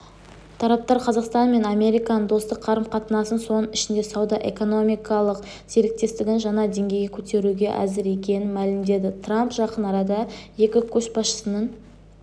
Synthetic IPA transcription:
t̪ʰɑɾɑp̚t̪ɑɾqʰɑzɑqst̪ɑnme̞nɑmʲe̞ɾijkɑnəd̪o̞st̪əqʰːɑɾəmqʰɑt̪ənɑsənso̞nəɪʃɪnd̪e̞sɑwd̪ɑʔe̞̰ko̞no̞mijkɑlˠəq | se̞ɾɪk̚t̪e̞st̪ɪɡʲɪnʒɑnɑd̪e̞ŋɡʲejɡʲekʲʰɵt̪e̞ɾuɡʲe̞ʔæ̰zɪɾe̞kʲe̞nɪnmælɪmd̪e̞d̪ɪt̪ʰrampʒɑqənɑɾɑd̪ɑje̞kʲɪkʲʰɵsʃbɑsʃə̥sənəɴ

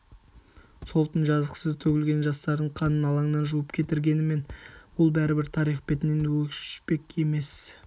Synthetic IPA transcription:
so̞lˠt̪ənʒɑzəqsəzt̪ʰɵɡʲɪlɡʲe̞nʒɑst̪ɑɾd̪əɴqʰɑnənɑlˠɑɴnɑnʒuəpkʲʰe̞t̪ɪɾɡʲe̞nɪme̞nbʊlˠbæɾɪbɪɾt̪ʰɑɾijχbe̞t̪ɪnenwɵkʃʏ̥ʃpe̞kʲe̞me̞s

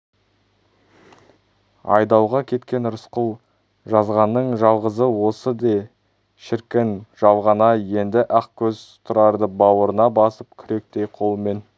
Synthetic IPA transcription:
ɑ̰jd̪ɑwʁɑkʲʰe̞t̪kʲe̞nɾʊsqʊlˠ | ʒɑzʁɑnːəɴʒɑlˠʁəzəwo̞səd̪e | ʃɪɾkʲɪnʒ̥ɑlˠʁɑnɑje̞nd̪ɪʔɑq̚kʲʰɵz̥t̪ʰʊɾɑɾd̪əbɑwəɾənɑbɑsəp̚kʲʰʏɾe̞k̚t̪e̞jqʰo̞lˠme̞n

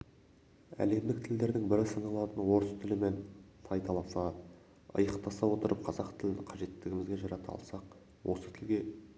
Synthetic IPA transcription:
æ̰le̞md̪ɪk̚t̪ʰɪld̪e̞ɾd̪ɪŋbɪɾɪsɑnɑlˠɑt̪ənwo̞ɾəst̪ʰɪlɪme̞nsʰɑjt̪ɑlˠɑsɑ | ə̰jəqt̪ɑsɑwo̞t̪əɾəp̚qʰɑzɑqt̪ʰɪlɪnqʰɑʒe̞t̪ːɪɡʲɪmɪzɡʲe̞ʒɑɾɑt̪əɑ̰lˠsɑq | wo̞sət̪ʰɪlɡʲe̞

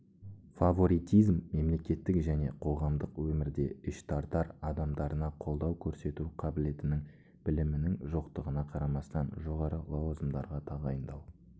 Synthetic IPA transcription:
favo̞ɾijt̪ijzmːe̞mle̞kʲe̞t̪ːɪkʒæne̞qʰo̞ʁɑmd̪əqwɵmɪɾd̪e̞ɪʃt̪ʰɑɾt̪ɑɾɑd̪ɑmd̪ɑɾənɑqʰo̞lˠd̪ɑwkʲʰɵɾse̞t̪uqʰɑbɪle̞t̪ɪnɪŋ | b̥ɪlɪmɪnɪŋʒo̞qt̪əʁənɑqʰɑɾɑmɑst̪ɑnʒo̞ʁɑɾəlˠɑwzəmd̪ɑɾʁɑt̪ʰɑʁɑjənd̪ɑw

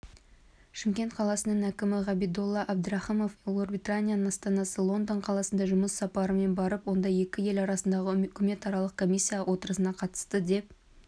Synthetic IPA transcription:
ʃɪmkʲe̞nt̪qʰɑlˠɑsənəɴækʲɪmɪʁɑbijd̪olˠːɑʔab̚d̪ɾɑχimo̞flˠorbʲijt̪anʲijanənɑst̪ɑnɑsəlˠo̞nd̪oɴqʰɑlˠɑsənd̪ɑʒʊməsːɑpɑɾəme̞nbɑɾəpwo̞nd̪ɑje̞kʲɪje̞lɑɾɑsənd̪ɑʁəʏkʲɪme̞t̪ɑɾɑlˠəq̚kʰo̞mʲisʲːijawʔo̞t̪əɾəsənɑqʰɑt̪ə̥st̪əd̪e̞p̚

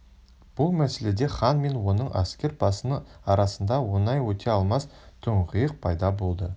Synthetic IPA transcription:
b̥ʊlˠmæse̞le̞d̪e̞χɑnme̞nwo̞nəɴʔɑ̰skʲe̞ɾpʰɑsənəɑɾɑsənd̪ɑwo̞nɑjwɵt̪ʰe̞ɑlˠmɑs | t̪ʰʊɴʁəjəq̚pʰɑjd̪ɑbo̞lˠd̪ə

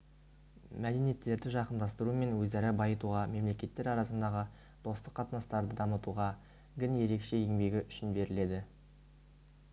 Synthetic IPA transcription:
mæd̪e̞nije̞t̪ːe̞ɾd̪ɪʒɑqənd̪ɑst̪əɾume̞nwɵzd̪æɾɪbɑjət̪uʁɑme̞mle̞kʲe̞t̪ːe̞ɾɑɾɑsənd̪ɑʁə | d̪̥o̞st̪əqʰːɑt̪ənɑst̪ɑɾd̪əd̪ɑmət̪uʁɑ | ɡʲɪnje̞ɾe̞kʃe̞je̞ŋbe̞ɡʲɪʔʏʃɪnbe̞ɾɪle̞d̪ɪ

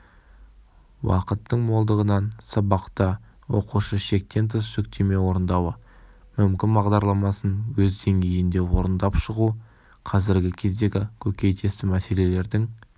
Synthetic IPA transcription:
wɑ̰qət̪ːəɴmo̞lˠd̪əʁənɑnsɑbɑqt̪ə | wo̞̰quʃəʃe̞k̚t̪e̞nt̪ʰəsʒ̥ʏkt̪ʰe̞me̞wo̞ɾənd̪ɑwə | mʏmkʲɪnbɑʁd̪ɑɾlˠɑmɑsənwɵzd̪e̞ŋɡʲe̞jɪnd̪e̞wo̞ɾənd̪ɑpʃəʁu | qʰɑzɪɾɡʲɪkʲʰe̞zd̪e̞ɡʲɪkʲʰɵkʲe̞jt̪ʰe̞st̪ɪmæse̞le̞le̞ɾd̪ɪŋ

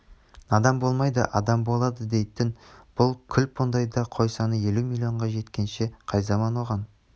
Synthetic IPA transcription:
nɑd̪ɑmbo̞lˠmɑjd̪ə̰ʔɑd̪ɑmbo̞lˠɑd̪əd̪e̞jt̪ɪnb̥ʊlˠkʲʰʏlpʰond̪ɑjd̪ɑqʰo̞jsɑnəje̞lumilʲio̞ɴʁɑʒe̞t̪kʲe̞nʃe̞qʰɑjzɑmɑnwo̞ʁɑn

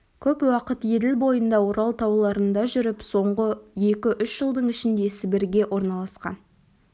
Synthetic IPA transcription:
kʲʰɵpwɑqət̪je̞d̪ɪlbo̞jənd̪ɑwo̞ɾɑlˠt̪ʰɑwlˠɑɾənd̪ɑʒʏɾɪpso̞ɴʁəje̞kʲɪʔʏʃʒ̥əlˠd̪əɴɪʃɪnd̪e̞sɪbɪɾɡʲe̞ʔo̞ɾnɑlˠɑsqɑ̰n

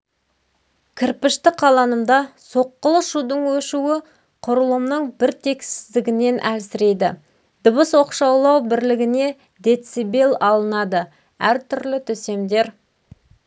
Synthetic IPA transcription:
kʲʰɪɾpɪʃt̪ɪqʰɑlˠɑnəmd̪ɑso̞qːəlˠəʃud̪əɴwɵʃuwɪ | qʰʊɾəlˠəmnəɴbɪɾt̪ʰe̞ksɪzd̪ɪɡʲɪne̞nʔælsɪɾe̞jd̪ɪ̰ | d̪ʊβəswo̞qʃɑwlˠɑwbɪɾlɪɡʲɪne̞ | d̪e̞t̪sibe̞lʲˠɑlˠənɑd̪ə | æɾt̪ʰʏɾlɪt̪ʰʏse̞md̪e̞ɾ

